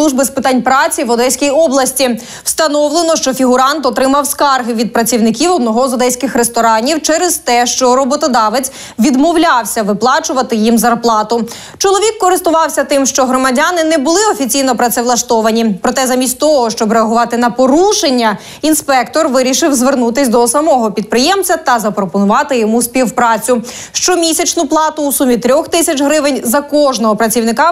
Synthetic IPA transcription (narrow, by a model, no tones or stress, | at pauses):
lˠuʒbɪspɪt̪ɑnʲpɾɑt͡sʲiʋɔd̪ɛjsʲkʲijɔblˠɐsʲtʲi | w̥st̪ɐnɔwlˠenɔʃt͡ʃɔfʲiɦʊɾɑnt̪ɔt̪ɾɪmɐwskɑrɦɪʋʲid̪̚pɾɐt͡sʲiwnɪkʲiwɔd̪̚nɔɦɔzɔd̪ɛjsʲkɪxɾest̪ɔɾɑnʲiwt͡ʃɛɾezt̪ɛʃt͡ʃɔɾɔbɔt̪ɔd̪ɑʋet͡s̪ʲ | ʋʲid̪mɔwlʲɑwsʲɐʋɪplˠɑt͡ʃʊʋɐt̪ɪjimzɐrplˠɑt̪ʊ | t͡ʃɔlˠɔʋʲikːɔɾɪst̪ʊʋɑwsʲɐt̪ɪmʃt͡ʃɔɦɾɔmɐdʲanɪnɛbʊlˠɪɔfʲit͡sʲijnɔpɾɐt̪sɛʋlˠɐʃt̪ɔʋɐnʲipɾɔt̪ɛzamʲisʲt̚ʲt̪ɔɦɔʃt͡ʃɔbɾeɐɦʊʋɑt̪ɪnɐpɔɾuʃenʲːɐ | inspɛkt̪ɔrʋɪɾʲiʃɪwzʋernut̪ɪsʲd̪ɔsɐmɔɦɔpʲid̪̚pɾɪjɛmt͡sʲɐt̪ɐzɐpɾɔpɔnʊʋɑt̪ɪjɔmusʲpʲiwpɾɑt͡sʲʊ | ʃt͡ʃɔmʲisʲɐt͡ʃnʊplˠɑt̪ʊːsumʲit̪ɾʲɔxt̪ɪsʲɐt͡ʃɦɾɪʋɪnʲzɐkɔʒnɔɦɔpɾɐt͡sʲiwnɪkɑ